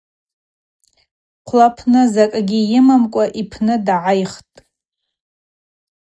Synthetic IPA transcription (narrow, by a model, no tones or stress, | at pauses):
qʷʰlapʰnɨzakʼɡʲijɪmamkʷʼaʔipʰnɨdʕajχtʼ